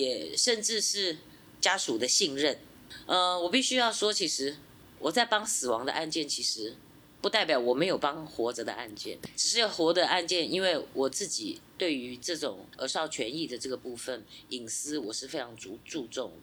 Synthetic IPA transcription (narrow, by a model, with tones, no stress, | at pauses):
jɛ˨˩ʂə˥˧nʈ͡ʂɻ̩˥˧ʂɻ̩˥˩ | t͡ɕja˥ʂu˨˩d̪ə˦ɕi˥˧ŋɻə˥˩n | ə˧wɔ˨˩pi˥˩ɕy˥jɑ˥˩ʊʂwɔ˥t͡ɕʰi˧˥ʂɻ̩˧˥ | wʔɔ˨˩t͡sa˥˩ɪpɑ˥ŋsɹ̩˨˩wɑ˧˥ŋd̪ə̰˧ʔa˥˧nt͡ɕjɛ˥˩nt͡ɕʰi˧˥ʂɻ̩˧˥ | pu˥t̪a˥˩ɪpjɑ˨˩ʊwɔ˨˩me˧˥jo˨˩ʊpɑ˥ŋxwɔ˧˥d͡zə˧d̪ə̰˧ʔa̰˥˧nt͡ɕjɛ̰˥˩nʈ͡ʂɻ̩˨˩ʂɻ̩˥˩xwɔ˧˥d̪ə˧a˥˧nt͡ɕjɛ˥˩ni˥nwe˥˩ɪwʔɔ˨˩t͡sɹ̩˥˩t͡ɕḭ˨˩t̪we˥˩ɪy˧˥ʈ͡ʂɤ˥˩ʈ͡ʂʊ˨˩ŋə˧˥ʂɑ˥˧ʊt͡ɕʰɥɛ˧˥ni˥˩d̪ə˩ʈ͡ʂɤ˥˩ɡə˩pu˥˩fə˨˩ni˨˩ŋsɹ̩˥wɔ˨˩ʂɻ̩˥˩fe˥ɪʈ͡ʂʰɑ˧˥ŋt͡su˧˥ʈ͡ʂu˥˧ʈ͡ʂʊ˥˩ŋ